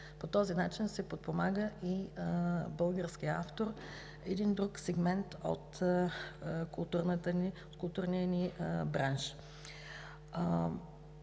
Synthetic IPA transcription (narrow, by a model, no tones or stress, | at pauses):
pot̪ɔzinat͡ʃinsɛpot̪̚pomaɡəʔi | bɤlˠɡəɾsk̟iəa̰ft̪oɾ | ɛd̪ind̪ɾuksɛɡmɛnt̪o̰t̪ | kʊlˠt̪uɾnət̪əiot̪kʊlˠt̪uɾnit̪ɛnibɾanʃ